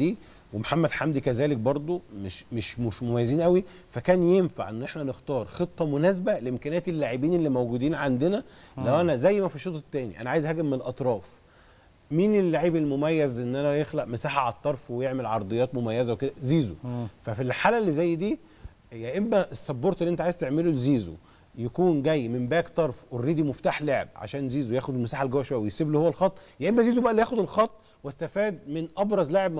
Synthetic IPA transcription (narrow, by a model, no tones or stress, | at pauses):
iː | wemħamːæd̪ħamd̪ikæzæːlek̚bɑɾˤd̪ˤomeʃmeʃmoʃmomæjːæziːnʔæwi | fækæːnjenfa̰ʕʔenːʔeħnænext̪ɑːɾˤxet̪ˤːɑmonæːsbæleʔemkæːnæːt̪elːaːʕebiːnelːimæwɡuːd̪iːnʕand̪enælæwʔænæzæjːmæfiʃːot̪ˤɑt̪ːæːnḭʔæ̰næʕaːjezhæːɡebmːenelʔɑt̪ˤɾˤɑːf | miːnelːaʕiːbelmomæjːæzʔenːʔænæjexlæʔmesaːħaʕt̪ˤːɑɾˤfwejeʕmelʕɑɾˤd̪ˤejːɑːt̪momæjːæzæweked̪æziːzo̰fæfilħaːlælːizæjːd̪iː | jæʔemːæʔesːɑbːoɾˤt̪ˤelːiʔent̪æʕajezt̪eʕmelolziːzo̰ | jækuːnɡæjːmembæːkt̪ˤɑɾˤfwerːiːd̪imoft̪aːħlaʕḛb̚ʕa̰ʃæːnziːzojæːxod̪elmæsaːħalɡæwːæʃwæjwejsiːbluhowːælxɑt̪ˤːjæʔemːæziːzobæʔælːiæːxod̪elxɑt̪ˤː | west̪æfæːd̪menʔɑbɾˤɑzlaʕebm